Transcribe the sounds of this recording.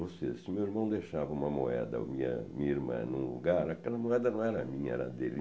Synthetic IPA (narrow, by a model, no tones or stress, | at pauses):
vosesɪmewiɾmɐ̃w̃d̪eʃavɐũmɐmoɛd̪ɐ̰mĩɲɐ̰mĩɲɐiɾmɐ̰̃nũlṵɡaɾakɛlɐmoɛd̪ɐnɐ̃w̃ɛɾɐmĩɲɐɛ̰ɾɐ̰d̪elɪ